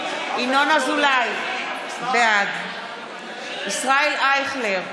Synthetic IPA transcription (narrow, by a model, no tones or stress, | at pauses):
inonazulaj | bead̪ | isʁaelajχleʁ